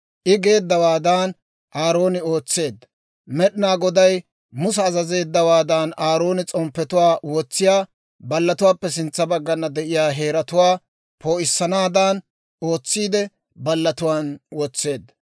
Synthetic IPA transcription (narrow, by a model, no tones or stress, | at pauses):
ʔɪɡe̞ːd̪ːɐwaːd̪aːn | ʔaːɾo̞ːnɪo̞ːt͡sːe̞ːd̪ːɐ | mɛɗɪnaːɡɔd̪ɐj | mʊsɛːzɐze̞ːd̪ːɐwaːd̪aːnaːɾo̞ːnɪt͡sʼɔmpːɛt̪ʊwaːwɔt͡sːɪjaː | bɐlːɐt̪ʊwaːpːɛsɪnt͡sːɐbɐɡːɐnːɐd̪ɛʔɪjaːɦe̞ːɾɐt̪ʊwaː | pʰo̞ːʔɪsːɐnaːd̪aːn | o̞ːt͡sːiːd̪ɛ | bɐlːɐt̪ʊwaːnwɔt͡sːe̞ːd̪ːɐ